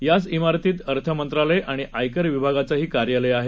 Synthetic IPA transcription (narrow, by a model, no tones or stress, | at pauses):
jat͡simaɾt̪iːt̪əɾt̪ʰəmənt̪ɾaləjʔaɽ̃iʔajkəɾʋibʱaɡat͡saɦiːkaɾjaləjaɦe